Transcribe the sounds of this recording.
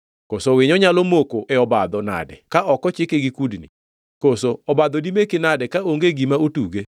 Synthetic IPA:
kosowɪɲɔɲalomokoʔɛɔbad̪ɔna̰dɛ̰kaʔɔkɔt͡ʃɪkeɡikudnḭ | kosoɔbad̪ɔdimekɪnadɛkaoŋɡeɡimaotuɡe

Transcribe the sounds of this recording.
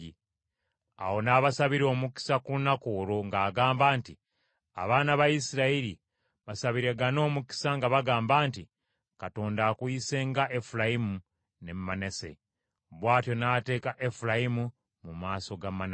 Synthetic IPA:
i | a̰wo̞naβasaβiɾo̞ːmuki̥sakunakoːɾoŋɡaːɡaːmbaːnti | a̰βaːnaβajisiɾaiɾi | βasaβiɾe̞ɡano̞ːmuki̥saŋɡaβaɡaːmbaːnti | kato̞ːndaːkwise̞ːŋɡaʔefulajimu | ne̞mmanese̞̰ | βwaːtjo̞naːte̞ːkaʔefulajimu | mumaːso̞ɡamːan

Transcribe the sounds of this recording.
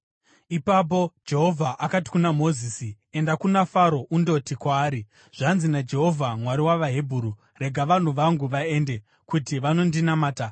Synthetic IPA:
ipap̬o̞d͡ʒe̞ɦo̞vʱaʔakati̥kunamo̞ziːsi | e̞ndakunafaɾo̞ʔundo̞tikwaːɾi | ʐ̥anzinad͡ʒe̞ɦo̞vʱamwaɾiwaʋaɦe̞bʱuːɾu | re̞ɡʱaʋan̤uʋaŋɡuʋae̞nde̞ | kutiʋano̞ndinamaːta

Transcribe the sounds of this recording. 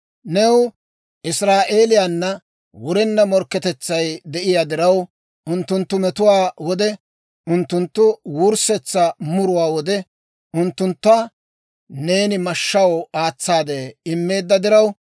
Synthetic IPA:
nɛw | ʔɪsɾaːʔe̞ːlɪjaːnːɐ | wʊɾɛnːɐmɔɾkːɛt̪ɛt͡sːɐjd̪ɛʔɪjaːd̪ɪɾɐw | ʔʊnt̪ːʊnt̪ːʊmɛt̪ʊwaːwɔd̪ɛ | ʔʊnt̪ːʊnt̪ːʊwuːɾsɛt͡sːɐmʊɾʊwaːwɔd̪ɛ | ʊnt̪ːʊnt̪ːa | ne̞ːnɪmɐʃːɐwaːt͡sːaːd̪eːɪmːe̞ːd̪ːɐd̪ɪɾɐw

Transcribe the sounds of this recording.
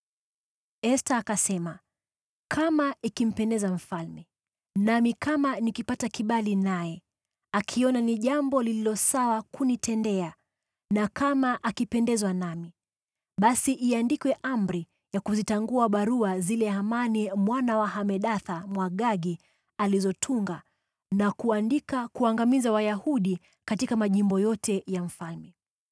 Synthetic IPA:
ɛstaːkasɛma | kʰamaikim̩pɛndɛzam̩falmɛ | namikamanikipatakiɓalinajɛ | akʰiɔnaniʄambɔlililɔsawakunitʰɛndɛa | nakamaʔakipɛndɛzwanami | ɓasiʔːandikwɛʔamɾi | jakuzitaŋɡuaɓaɾuazilɛhamanimwanawaɦamɛɗaθamwaɠaɡi | alizɔtʰuŋɡa | nakuandikakuaŋɡamizawajahuɗi | katikamaʄimbɔjɔtɛjam̩falmɛ

